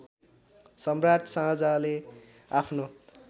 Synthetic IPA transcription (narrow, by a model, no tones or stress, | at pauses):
sʌmrat̪sãɦʌd͡zale | apʰno